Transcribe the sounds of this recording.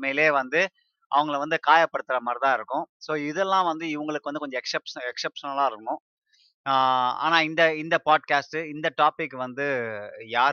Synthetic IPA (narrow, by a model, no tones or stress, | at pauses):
meleːʋɐnd̪ɯ | ʔɐ̰ʋɐŋɡɐɭʋɐnd̪ɯkaːjɐpːɐɽɯt̪ːɪɾɐmɐɾt̪ãːɪɾɯkːʊ̃soːɪðɛlːãːʋɐnd̪ɯɪʋɐŋɡɐɭɯkːɯʋɐnd̪ɯkɔɲd͡ʒɐɛksɛpʂɐɛksɛpʂɐnɐlːãːɪɾɯkːʊ̃ | a̰ːnãːɪnd̪ɐɪnd̪ɐpaːɖkaːsʈɯɪnd̪ɐʈaːpɪkːɯʋɐnd̪ɯjaː